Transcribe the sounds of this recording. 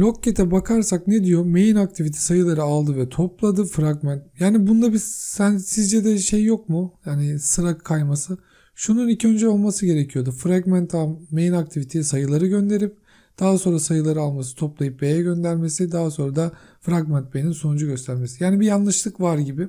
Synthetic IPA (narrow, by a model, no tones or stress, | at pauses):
lʲo̞cːe̞t̪ʰɛbakʰaɾsakned̪ijo̞me̞jinak̚t̪ʰivit̪ʰɛ̥sajɯlˠaɾɯalˠd̪ɯvɛt̪ʰo̞plˠad̪ɯfɾaɡmænt̪̚jaːnibund̪abisænsizd͡ʒɛd̪ɛʃejːo̞k̚mujaːnɪsɯɾakʰːajmasɯ | ʃununicʰiø̞nd͡ʒɛo̞lˠmasɯɟe̞ɾecʰijo̞d̪ufɾaɡmænt̪ʰamejinak̚t̪ʰivit̪ʰesisajɯlˠaɾɯɟø̞nd̪e̞ɾip̚ | d̪̥aɦaso̞nɾasajɯlˠaɾɯalˠmas̬ɯ̥t̪ʰo̞plˠajɯp̚be̞jɛɟø̞nd̪æɾme̞sid̪aɦaso̞nɾad̪a | fɾaɡmɛnt̪̚beninso̞nud͡ʒuɟø̞st̪ʰæɾme̞sijaːnibijanlˠɯʃlˠɯkvaɾɟibɪ